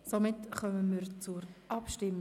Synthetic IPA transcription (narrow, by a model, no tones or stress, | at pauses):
somɪtχœməmɪːɾt͡suɾʔɑpʃtɪm